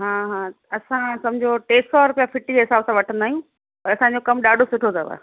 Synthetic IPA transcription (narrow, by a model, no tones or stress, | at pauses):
ɦãːɦãː | ɐsãsɐmd͡ʑʱoʈeːsɔɾʊpijafɪʈid͡ʑeɦɪsaːbsãʋɐʈʰə̃nd̪aːɦijũ | pɐɐsãɲd͡ʑokɐmɗaːɖʱosʊʈʰot̪ʰɐʋa̰ː